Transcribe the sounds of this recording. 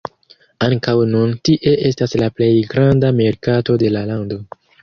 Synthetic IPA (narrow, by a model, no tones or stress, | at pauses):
aŋkawnuntiʔe̞ʔe̞staslaple̞jɡɾandame̞ɾkato̞de̞lalando̞